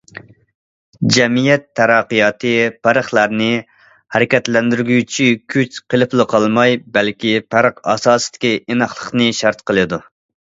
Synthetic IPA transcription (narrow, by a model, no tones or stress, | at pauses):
d͡ʒɛmijɛt̪ʰːæɾɑqːɨjɑːt̪ʰɨpæɾəχlˠɑɾnɨ | hæɾɪkʲɛt̪lɛnd̪yɾɡʲyt͡ʃʰikʲʰyt͡ʃqəlˠɨplˠɨqʰɑlˠmɑjbɛlkʲipʰæɾəqɑ̰sɑːsɨ̥d̪̥ɪ̥kʲienɑχlˠəχnɨʃɑɾt̪qəlˠɨd̪u